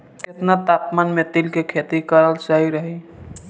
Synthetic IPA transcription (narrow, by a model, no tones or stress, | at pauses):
ket̪nat̪apmanmet̪ilkekʰet̪ikəɾəlt͡ʃaɦiɾəɦi